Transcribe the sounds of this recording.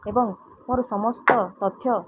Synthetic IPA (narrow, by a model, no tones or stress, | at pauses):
ebɔŋ | moɾusɔmɔst̪ɔt̪ɔt̪ʰːjɔ